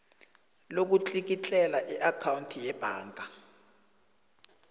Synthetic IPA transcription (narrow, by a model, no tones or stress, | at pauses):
lok̬ut͡ɬʼik̬it͡ɬʼɛlaʔiʔakʰawuntʰijɛb̥ʱaːŋɡʱa